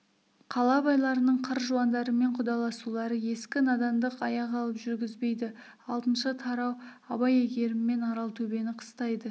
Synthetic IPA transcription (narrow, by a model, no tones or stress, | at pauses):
qʰɑlˠɑbɑjlˠɑɾənəɴqʰəɾʒuɑnd̪ɑɾəme̞ɴqʰʊd̪ɑlˠɑsulˠɑɾəje̞skʲɪnɑd̪ɑmd̪əqɑjɑqɑlˠəpʒʏɾɡʲɪzbe̞jd̪ɪ | ɑlˠt̪ənʃət̪ʰɑɾɑw | ɑbɑjeɡʲe̞ɾɪmːe̞nɑɾɑlˠt̪ʰɵbe̞nɪqʰə̥st̪ɑjd̪ə